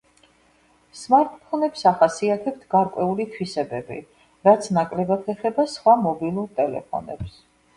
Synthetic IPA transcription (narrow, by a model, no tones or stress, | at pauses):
smaɾt̪ʼpʰɔnɛpsaχasiat̪ʰɛpt̪ʰɡaɾkʼwɛulit̪ʰwisɛbɛbḭ | ɾat̪sʰnakʼlɛbat̪ʰɛχɛbasχwamɔbilˠuɾt̪ʼɛlɛ̰pʰɔ̰nɛ̰ps